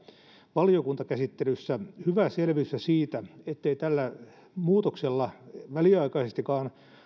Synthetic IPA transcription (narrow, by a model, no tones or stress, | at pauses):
ʋɑlijokunt̪ɑkæsit̪ːelysːæhyʋæselʋiysːæsiːt̪æet̪ːeit̪ælːæ | muːt̪okselːɑʋæliɑikɑisest̪ikɑːn